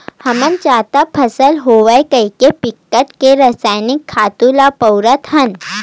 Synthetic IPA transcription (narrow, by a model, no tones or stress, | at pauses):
hɐmənt͡ʃaːt̪apʰɐsəlɦoʋəjkəikepɪkːəʈkeɾɐsaːjnɪkʰːaːt̪ulapɐwɾət̪ɦɐn